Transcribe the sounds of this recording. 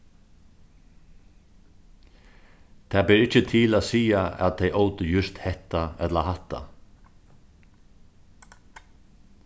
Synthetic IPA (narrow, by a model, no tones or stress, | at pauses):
t̪ʰaːbɛːɾɪt͡ʃət̪ʰɪlaːsiːaæ̰t̪̚ejʔowt̪əjʏst̪hɛht̪aɛt̪lahat̪ːa̰